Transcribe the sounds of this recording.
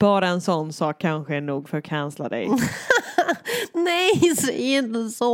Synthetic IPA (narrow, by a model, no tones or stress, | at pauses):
b̥ɑːɾaɛnsɔnːsɑːkʰːanɧəæɳuːɡfœɾkʰansla̰d̪ɛ̰j | nɛjsæɪnt̪əsɔ